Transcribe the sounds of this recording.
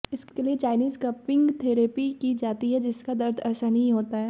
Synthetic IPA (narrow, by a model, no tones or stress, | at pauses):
ɪskeliet͡ʃaːɪniːskɐpɪ̃ŋɡt̪ʰeːɾeːpikid͡ʒaːt̪iɦɛd͡ʒɪskad̪ɐɾd̪ʱɛːsanɐɦĩɦoːt̪aɦɛː